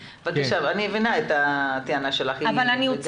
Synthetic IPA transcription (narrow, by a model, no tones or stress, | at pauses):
vak̪aʃavanievinaet̪at̪ianaʃelaχjavalaniot͡s